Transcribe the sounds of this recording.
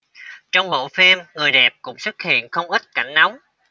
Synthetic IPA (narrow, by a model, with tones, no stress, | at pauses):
t͡ɕɔ˧wŋ͡mɓo̰˧˨fe˧mŋɨ˨˩əjɗɛ˨˩p̚kʊ̰˧˥ŋ͡mswu˦˥t̚hḭ˧˨ənxə˧wŋ͡mʔi˦˥t̚ka̰˧˩jŋ̟na˨˦wŋ͡m